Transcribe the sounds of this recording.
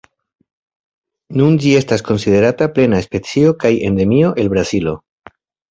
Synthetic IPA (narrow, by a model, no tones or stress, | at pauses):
nund͡ʒie̞stasko̞nsiðe̞ɾataple̞naespe̞t͡sio̞kaje̞nd̪e̞mio̞ʔe̞lbɾazilo̞